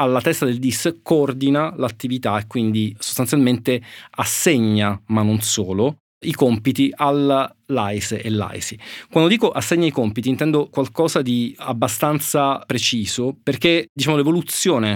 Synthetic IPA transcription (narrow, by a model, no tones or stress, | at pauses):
alːat̪ɛst̪ad̪eld̪iskoɔrd̪inalat̪ːivit̪aekːwind̪iso̥st̪ansjalment̪easːeɲːamanːonsoːlo | ikɔmpit̪iʔalː | ajselːa̰jsikwand̪od̪iːkoʔasːeɲːaikɔmpit̪int̪ɛnd̪okwalkɔːzad̪iabːast̪ant̪sapɾet͡ʃiːzoperked̪it͡ʃaːmolevolut̪sːjoːne